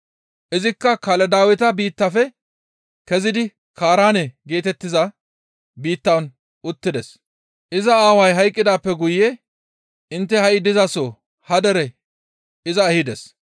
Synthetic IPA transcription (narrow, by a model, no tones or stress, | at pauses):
ʔɪzɪkːɐkɐlɛd̪aːwɪt̪ɐbiːt̪ːɐfɛ | kɛzɪd̪ɪ | kʰaːɾaːnɛɡe̞ːt̪ɛt̪ːɪzɐ | biːt̪ːɐwn | ʊt̪ːɪd̪ɛs | ʔɪzɐaːwɐjɦɐjkʼːɪd̪aːpːɛɡʊjɛ | ɪnt̪ːɛhɐʔɪd̪ɪzɐso | hɐd̪ɛɾɛ | ɪzɐːhɪd̪ɛs